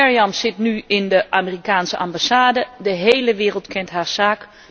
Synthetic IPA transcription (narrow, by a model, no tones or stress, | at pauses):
ɛɹiɑmsɪtnyɪndəʔaːmirikaːnsəʔɑmbasaːdədəɦejləʋɪːrəlˠtkʰɛntɦaːɹz̥aːk